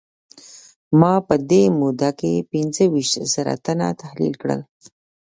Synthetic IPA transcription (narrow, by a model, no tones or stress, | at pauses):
mɑpəd̪emud̪akepinzəwiʃt̪z̥əɾa̰t̪ana̰t̪ahlḭlkɽə̰l